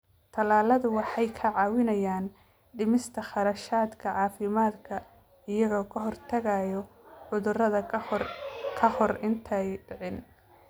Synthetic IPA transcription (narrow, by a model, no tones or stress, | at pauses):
t̪ʰɐlaːlɐðʊwɑħɑjkʰɐʕɑːwɪnɐjaːn | ɖɪmɪst̪ʰɐχɑɾɐʃaːd̪kʰɐʕɑːfɪmaːd̪kʰɐ | ɪjɐɣɔːkʰɐɦɔrt̪ʰɐɣajɔ | ʕʊðʊrɐðɐ | kʰɐhɔrɪnt̪ʰɛjɖɪʕɪn